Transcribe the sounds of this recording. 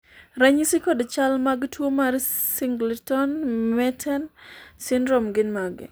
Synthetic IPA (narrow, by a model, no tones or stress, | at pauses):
ɾaɲisikɔdt͡ʃalmaɡtwomarsiŋɡltɔnmɛtʰɛnsɪndɾɔmɡɪnmaɡɪ̰